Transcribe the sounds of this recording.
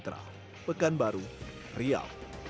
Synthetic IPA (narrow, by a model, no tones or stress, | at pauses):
t̪ɾa̰ | pəkanbaɾu | ria̰l